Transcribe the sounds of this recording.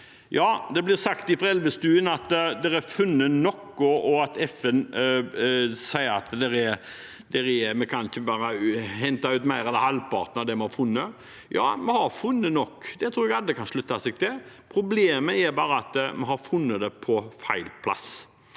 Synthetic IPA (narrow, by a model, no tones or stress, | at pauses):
jɑːd̪ɛblɪʁsɑkt̪ɪfʁɛlʋəst̪ʉːənɑt̪d̪ɛɾæɾfʉnːənɔkːɔɔɑt̪ɛfɛn | sæɪəɾɑt̪d̪ɛɾɛ | d̪ɛɾɛmɛkʰɑnɪçəbɑːɾəhɛnt̪ɑʉːt̪mæɪɾɛləhɑlpɑ̰ːʁt̪nɑʋd̪ɛmɛhɑfʉnːə | jɑ̰ːmɛhɑɾfʉnːənɔkːd̪ɛt̪ʰɾuːɾɛɡɑd̪əkʰɑnʂɭʉt̪ːɑsɛɡ̚t̪ʰɪpʰɾʊbleːməɛɾbɑːɾəɑt̪mɛɦɑɾfʉnːəd̪ɛpʰɔfæɪlpʰlɑ̰s